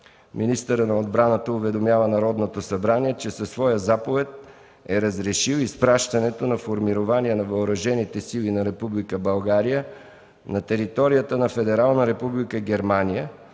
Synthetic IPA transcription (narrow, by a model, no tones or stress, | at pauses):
mʔinist̪əɾənɐod̪bɾanət̪əʊvɛd̪omjavənɐɾɔd̪not̪osɐbɾaniɛt͡ʃɛsɐsvɔjəzapovɛt̪̚ | ɛɾɐzɾɛʃiwispɾaʃt̪ɐnɛt̪onɐfoɾmiɾovaniɛnɐvɐoɾɐʒɛnit̪ɛsilinɐɾɛpublikəbɐlˠɡaɾijə | nɐt̪ɛɾit̪ɔɾijət̪ənɐfɛd̪ɛɾalˠnəɾɛpublikəɡʲɛɾmanijə